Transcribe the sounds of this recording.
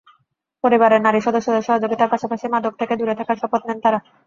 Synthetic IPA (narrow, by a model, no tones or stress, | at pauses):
poɾibaɾeɾnaɾiʃɔd̪oʃːod̪eɾʃɔɦad͡ʑoɡit̪aɾpaʃapaʃimad̪ok̚t̪ʰeked̪uɾet̪ʰakaɾʃɔpot̪nent̪aɾa